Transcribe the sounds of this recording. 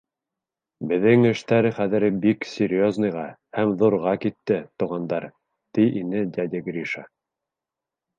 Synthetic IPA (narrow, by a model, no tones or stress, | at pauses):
bɘ̆ðɘŋɘ̆ʃt̪æɾɘχæðɘ̆ɾbiksʲeɾʲjoznɤ̆jʁɑhæmðuɾʁɑkit̪ːɘt̪ŭʁɑnd̪ɑɾ | t̪ijʔinɘd̪ʲad̪ʲeɡɾʲiʃa